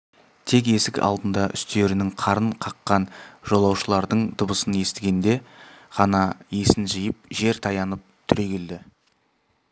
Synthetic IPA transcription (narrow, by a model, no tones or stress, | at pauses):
t̪ʰe̞k̬e̞sɪkʲɑ̰lˠd̪ənd̪ɑʔʏ̰st̪e̞ɾɪnɪŋqʰɑɾəɴqʰɑqːɑnʒo̞lˠɑwʃəlˠɑɾd̪əɴd̪ʊbəsəne̞st̪ɪɡʲe̞nd̪e̞ʁ̥ɑnɑje̞sɪnʒəjəp̚ʒe̞ɾt̪ʰɑjɑnəp̚t̪ʰʏɾe̞ɡʲeld̪ɪ